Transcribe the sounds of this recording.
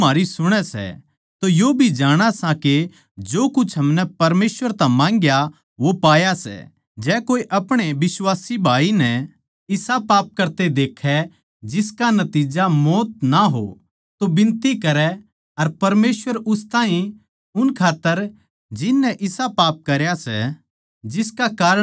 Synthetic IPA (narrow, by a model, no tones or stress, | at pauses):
maːɾisʊɽ̃ɛsɛ̰ | t̪ojoːbʱid͡ʒaːɽ̃asãke | d͡ʒoːkʊt͡ʃʰɦɐmnɛpɐɾmeːswəɾt̪ãmãːŋɡja | ʋopaːjasɛ̰ | d͡ʒɛːkoːiʔɐpɽ̃ebɪswaːsibʱaːinɛ | ɪsapaːp̚kɐɾt̪ed̪eːkʰːɛ | d͡ʒɪskanɐt̪iːd͡ʒamɔːt̪̚naɦo̰ | t̪obɪ̃nt̪ikɐɾɛ | ɐɾpɐɾmeːsʋəɾʊst̪ãːɦĩ | ʊnkʰaːt̪ːəɾ | d͡ʒɪnːɛʔɪsapaːp̚kɐɾjasɛ̰ | d͡ʒɪskakaːɾə